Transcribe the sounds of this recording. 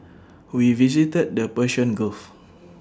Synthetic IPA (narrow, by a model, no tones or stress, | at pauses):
wivisitɛd̚dəpəʃɔ̃nɡəlf